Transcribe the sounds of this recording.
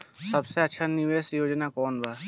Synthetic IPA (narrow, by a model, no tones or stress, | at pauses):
sɐbseɐtːʃʰaniʋeːsjoːd͡ʒnakɔːnbaː